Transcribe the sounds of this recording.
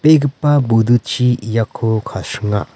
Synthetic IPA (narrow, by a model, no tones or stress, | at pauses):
peɡɯpːabud̪ut͡ʃijakʰokʰasɯŋa̰